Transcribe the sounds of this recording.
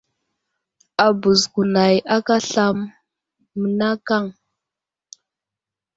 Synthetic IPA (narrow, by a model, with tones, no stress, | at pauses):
a˨bu˨zku˨na˨ja˦ka˦ɬa˦mː | ə˨na˦ka˦˨ŋ